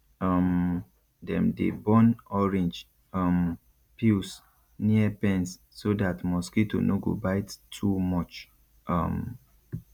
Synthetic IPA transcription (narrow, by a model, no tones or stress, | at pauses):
ɔm | dɛ̰̃mdḛbɔ̃nɔɹɛ̃nd͡ʒ | ɔm | pʰils | niəpɛ̃nsː | odatmɔskito̰noɡo̰baɪttʰumɔt͡ʃ | ɔ̃m